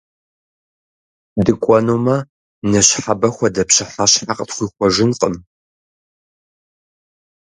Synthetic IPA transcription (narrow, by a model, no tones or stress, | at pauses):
dɨkʷʼɔnuːmɐ | nɐɕħabɐxʷɐdɐpɕɪħaɕħaqtχʷiːxʷɔʒɪnqʼəm